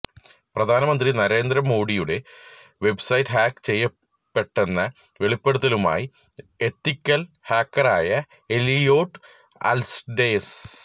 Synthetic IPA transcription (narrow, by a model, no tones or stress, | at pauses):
prɐd̪ʱaːnɐmɐnd̪rinɐɾe̞ːnd̪ɾɐmo̞ːɽijuɽe̞ʋe̞bsɐjtːɦaːkt͡ɕe̞jːɐ | pːe̞ʈːe̞nːɐ | ʋe̞ɭipːeɽut̪̬ːɐluma̰ːji | et̪ːikʲːɐl | haːkːɐraːjɐ | elijoːʈː | ɐ̰lsɖeːs